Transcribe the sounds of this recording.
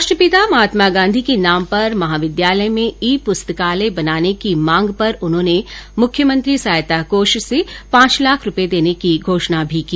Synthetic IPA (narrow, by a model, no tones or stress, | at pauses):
ɐʃʈəpɪt̪amɐɦaːt̪maɡãːnd̪ʱikenaːmpɐɾmɐɦaːʋɪd̪jaːləmẽiːpʊst̪əkaːlebɐnaːnekimãːŋɡpɐɾʊnɦõːnemʊkʰjəmɐ̃nt̪ɾisaːjt̪akoːʃsepãːt͡ʃlaːkʰɾʊped̪eːnekiɡʱoːʃnabʱikiː